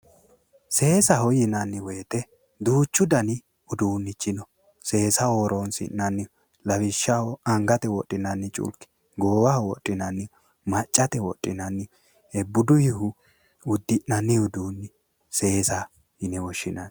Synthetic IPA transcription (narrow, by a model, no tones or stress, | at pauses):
se̞ːsɐhɔjɪnɐnːɪwɛt̪ɛ | d̪uːt͡ʃːʊd̪ɐnɪ | ʊd̪uːnːɪt͡ʃːɪnɔ | se̞ːsɐoːɾʔonsɪ̰nnːɐnːɪ | lɐbɪʃːɐhɔɐŋɡɐt̪ɛwɔtʼːɪnɐnːɪt͡ʃʼʊ̰lkɪ̥ | ɡoːwɐhɔwɔtʼːɪnɐnːɪ | mɐt͡ʃʼːɐt̪ɛwɔtʼːɪnɐnːɪ | ɛbːʊd̪ʊjɪhʊ | ʊd̪ːɪʔnɐnːɪʊd̪uːnːɪ | se̞ːsɐ | hɪnɛwɔʃːɪnɐn